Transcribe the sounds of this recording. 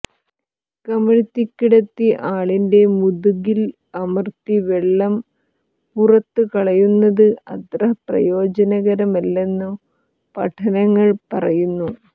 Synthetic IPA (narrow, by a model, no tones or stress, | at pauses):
kɐmɐɻt̪ːikːiɽɐt̪ːiʔaːɭinde̞muðuɣil | ɐmɐrt̪iʋeɭːɐm | purɐt̪ːɨkɐɭɐjunːɐðɨɐ̰t̪rɐɦɐprɐ̰jo̞ːd͡ʑɐnɐɣɐɾɐmɐlːe̞nːu | pɐ̰ʈʰɐnɐŋːɐɭpɐ̰rɐjunːu